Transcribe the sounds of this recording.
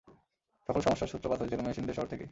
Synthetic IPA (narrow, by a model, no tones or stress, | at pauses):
d͡ʒɔkʰolʃɔmoʃːaɾʃut̪ːɾopad̪ʰʱad͡ʑelomeʃind̪eɾʃɔɦoɾt̪ʰeke